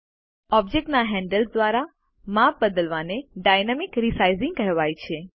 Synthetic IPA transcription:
ɔb̚d͡ʒek̚ʈnaɦɛ̃ɳɖəlsd̪ʋaɾa | map̚bəd̪əlʋaneɖajnamikɾisajzɪ̃ŋɡkəɦʋajt͡ʃʰe

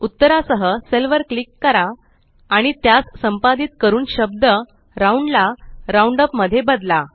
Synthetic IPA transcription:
ut̪ːəɾasəɦəselʋəɾklikːəɾaː | ɽ̃it̪jat͡ssəmpat̪iːt̪̚kəɾuːnɕəb̚d̪ə | ɾauɳɖlaɾauɳɖəpməd̪ʱjebəd̪la

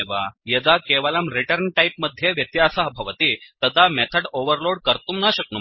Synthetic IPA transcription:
ʋajed͡z̪akeʋalamɾiʈəɾnʈaipməd̪ʱːjeʋjət̪jasəɦbʱəʋət̪iːt̪əd̪amɛt̪ʰəɽoʋəɾloɽkəɾt̪umnaɕək̚nu

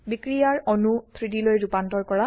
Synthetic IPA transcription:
bikɹijaɹɔnut̪ʰɹitilojɹupantɔɹkɔɹa

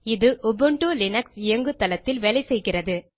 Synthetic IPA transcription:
ɪðɯʔʊbɯɳʈuːlɪnɐksɪɐŋɡɯt̪ːɐlɐt̪ːɪlʋɛlɐɪsɛjɣɪrɐðɯ

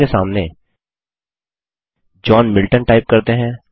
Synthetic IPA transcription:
esaːmne | d͡ʒɔːnmɪlʈənʈaːɪp̚kɐɾt̪eɦɛ̃ː

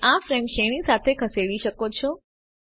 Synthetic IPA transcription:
ãfɾemʃeɽ̃isat̪ʰekʰəseɽiʃəkot͡ʃʰo

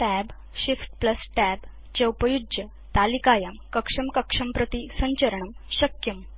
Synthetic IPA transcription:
ʈæb | ɕifʈ̚pləsʈæb | t͡ɕeupəjud͡ʑjə | t̪alikajamkəkʂɐmkəkʂɐmpɾət̪isə̃ɲt͡ɕəɾəɳəmɕɐkjɐm

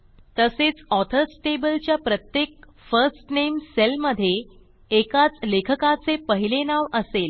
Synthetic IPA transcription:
t̪əset͡sɔt̪ʰəɾsʈebəlt͡ɕjapɾət̪jek̚ | fəɾsʈnemselməd̪ʱːjeː | kat͡slekʰəkat͡sepəɦilenaʋʔəsel

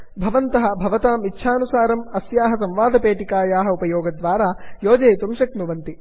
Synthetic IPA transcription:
bʱɐʋɐnt̪ɐɦɐ̆bʱɐʋɐt̪aːmitːʃʰaːnusaːɾɐmɐsjaːɦɐsɐmʋaːd̪ʱɐpeːʈikaːjaːɦɐupɐjoːɡɐd̪ʋaːɾaːjoːd͡ʒɐjt̪umʃɐknuʋɐnt̪i

